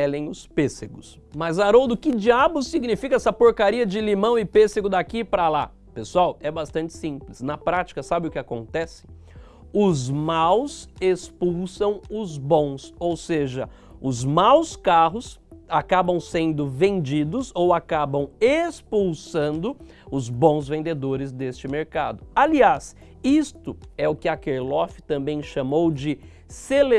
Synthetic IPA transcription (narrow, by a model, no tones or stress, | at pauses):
ɛlẽj̃ʊspeseɡʊs | mɐzaɾowd̪ʊkɪd͡ʒiabʊsiɡnifikɐɛsɐpoɾkaɾiɐd͡ʒɪlimɐ̃w̃ɪpeseɡʊd̪akipɾɐla̰ | pesuawɛbast̪ɐ̃nt͡ʃɪ̥sĩplɪsnɐpɾat͡ʃi̥kɐsabɪʊkɪakõ̰nt̪ɛsɪ̥ | ʊzmawsespuwsɐ̃w̃ʊzbõw̃sowseʒɐ | ʊzmawskaɦʊsakabɐ̃w̃sẽnd̪ʊvẽnd͡ʒid̪ʊzowakabɐ̃w̃espuwsɐ̃nd̪ʊ | ʊzbõw̃zvẽnd̪ed̪oɾɪzd̪est͡ʃɪmeɾkad̪ʊalias | ist̪ʊɛʊkɪakeɾlɔfɪ̥t̪ɐ̃mbẽj̃ʃamowd͡ʒɪ | sele